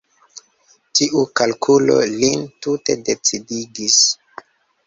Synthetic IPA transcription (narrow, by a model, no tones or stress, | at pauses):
tiʔukalkʰulo̞̰lintute̞de̞t͡sidiɡis